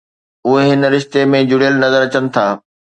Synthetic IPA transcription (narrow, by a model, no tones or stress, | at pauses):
ʊɦeɦɪnɾɪʃt̪emẽd͡ʑʊɽijəlnɐzəɾɐt͡ɕənɪ̆t̪ʰaː